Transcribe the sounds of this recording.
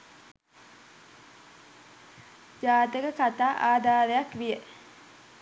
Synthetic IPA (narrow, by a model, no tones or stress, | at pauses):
d͡ʒaːt̪əɡəkat̪aːʔaːd̪aːɾejakʋijə